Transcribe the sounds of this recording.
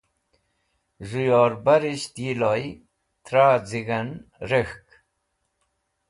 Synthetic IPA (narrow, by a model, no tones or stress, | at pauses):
ʐujoːɾbaɾiɕt̪jiloj | t̪ɾaːd͡ziɡanɾəxk